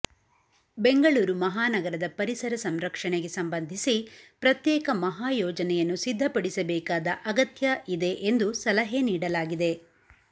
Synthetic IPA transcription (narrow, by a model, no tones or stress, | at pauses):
be̞ŋɡɐɭuːɾumɐɦaːnɐɡɐɾɐd̪ɐpɐɾisɐɾɐsɐmɾɐkʂɐɳeɡe̞sɐmbɐnd̪ʱisipɾɐt̪jɛːkɐmɐɦaːjɔːd͡ʒɐnɛjɐnːusid̪ʱːɐpɐɽisɐbɛːkaːd̪ɐʔɐɡɐt̪jɐʔid̪e̞ʔend̪usɐlɐɦeniːɽɐlaːɡid̪e̞